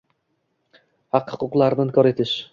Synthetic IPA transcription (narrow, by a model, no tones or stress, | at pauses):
hɑqhʊqʊqlˠɑɾd̪ɪnkʲʰɒɾet̪ʰɪʃ